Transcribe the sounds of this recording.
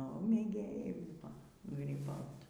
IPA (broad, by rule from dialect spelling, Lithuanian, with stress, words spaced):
nʊ mʲeːˈɡʲeːjɛɪ ˈbʊʋoː ɡrʲiːˈbɐʊt